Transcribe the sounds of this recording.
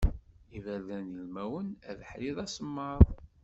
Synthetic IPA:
ivæðænjəlmæwənæðħɾiðˤæsəmːəɾˤ

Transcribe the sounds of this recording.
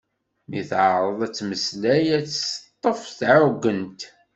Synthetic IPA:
miθʕəɾˤəðˤæt͡sːməslæjæt͡sːst̪ˤːəfθɾʊɡːənt̪

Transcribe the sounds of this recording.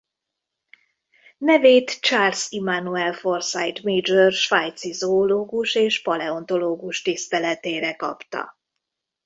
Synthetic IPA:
nɛveːt̪t͡ʃaːrsimanuɛlfo̞rsajt̪meːd͡ʒørʃʋajt̪sizoːloːɡuʃeːʃpɒlɛo̞nt̪o̞loːɡuʃt̪ist̪ɛlɛt̪eːɾɛkɒ̰pt̪ɒ̰

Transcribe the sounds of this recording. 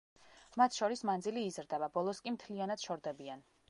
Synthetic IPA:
mat̪ʰʃɔɾismand̪ziliːzɾd̪ɛbabɔlˠɔskʼimt̪ʰlianad̪̥ʃɔɾd̪ɛbian

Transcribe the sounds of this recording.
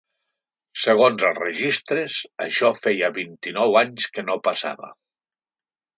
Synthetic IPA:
səɣ̞onzəlˠrəʒist̪ɾəsə̰ʃɔfejaβint̪inɔwaɲskənopasa̰βə̰

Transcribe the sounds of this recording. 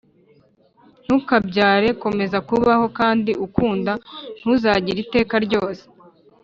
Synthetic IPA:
n̥ukabɟaːɾe̞ko̞me̞zakuβaho̞kaːndiukuːndan̥huzaːɟiɾite̞ːkaɾɟo̞ːse̥

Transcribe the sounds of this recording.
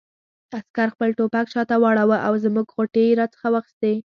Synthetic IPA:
askaɾxpəlʈopakʃɑt̪awɑɽawəʔawzmuɡxoʈeɾɑt͡sə̥xawaxi̥st̪e

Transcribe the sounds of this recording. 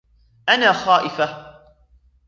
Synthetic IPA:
ʔanaːxaːʔɪfa

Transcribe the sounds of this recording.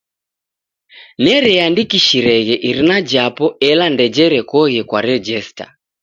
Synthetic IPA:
nɛɾɛandikiʃiɾɛɣɛʔiɾinad͡ʒapɔɛlandɛd͡ʒɛɾɛkɔɣɛkwaɾɛd͡ʒɛsta̰

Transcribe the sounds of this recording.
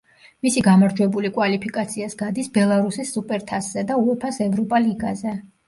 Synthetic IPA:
misiɡamaɾd͡ʒwɛbulikʼwalipʰikʼat̪sʰiasɡad̪isbɛlˠaɾusisːupʼɛɾt̪ʰasz̥ɛd̪auɛpʰasɛvɾɔpʼaliɡazɛ

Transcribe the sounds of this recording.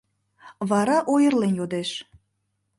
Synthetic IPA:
βɑɾɑʔojərlenjod̪eʃ

